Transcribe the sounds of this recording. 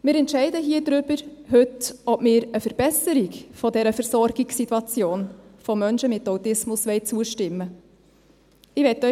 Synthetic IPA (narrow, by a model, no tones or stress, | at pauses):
mɪːɾɛntʃɛɪdəɦiːədɾʏb̥əɾhʉtɔpmɪːɾəfəɾb̥ɛsəɾikfɔdɛɾəfəɾsɔɾɡɪksitːuɑt͡sjoːnfɔmœnʃəmɪtawtɪsmʊsʋɛɪt͡suəʃtɪmːə | ɪʋɛtːœ